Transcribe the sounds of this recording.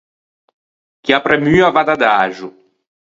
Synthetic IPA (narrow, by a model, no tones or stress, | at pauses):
kiapɾɛmyːavad̪ad̪aːʒu